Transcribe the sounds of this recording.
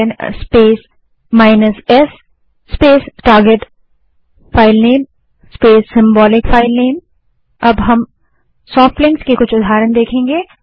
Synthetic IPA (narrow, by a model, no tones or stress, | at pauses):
nspeːs | maːɪnəsɛsː | peːsʈaːɾɡeʈ | faːɪlneːm | speːsːɪ̃mbɔːlɪkfʰaːɪlneːm | ɐbɦɐm | sɔːfʈlɪ̃ŋɡskekʊt͡ʃʰʊd̪ʱaːɾənd̪eːkʰẽːŋɡeː